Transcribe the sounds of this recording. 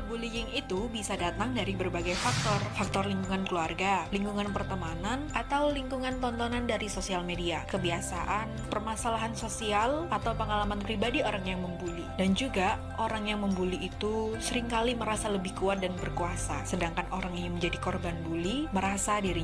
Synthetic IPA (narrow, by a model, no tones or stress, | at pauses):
bulijɪŋit̪ubisadat̪aŋdaɾibərbaɡajfak̚t̪ɔrfak̚t̪ɔrliŋkuŋankəluarɡaliŋkuŋanpərt̪əmananat̪awliŋkuŋant̪ɔnt̪ɔnandaɾisosialmediakəbiasaʔanpərmasalaɦansosialat̪awpəŋalamanpɾibadioɾaŋjaŋməmbulidand͡ʒuɡa | ʔoɾaŋjaŋməmbuliːt̪usəɾɪŋkaliməɾasaləbɪhkuat̪̚danbərkuasasədaŋkanoɾaŋiɲaməɲd͡ʒadikɔrbanbuliməɾasadiɾiɲ